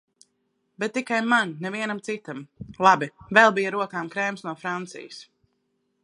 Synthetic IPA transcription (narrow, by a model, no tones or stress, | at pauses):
bɛt̪̚ːikajmannɛviɛnamt̪sit̪amlˠabivɛlˠbijaɾuɔkaːmkɾɛmsnuɔfɾant̪sḭjɪs